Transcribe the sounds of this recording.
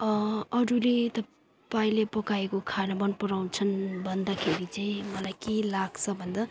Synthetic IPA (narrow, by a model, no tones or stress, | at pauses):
ʌʌɾulet̪ʌ | paĩlepʌkaekokʰanabʌnpʌɾaw̃nt͡sʰʌnbʱʌnd̪akʰeɾit͡sʌĩmʌlajkelaɡt͡sʰʌbʱʌnd̪a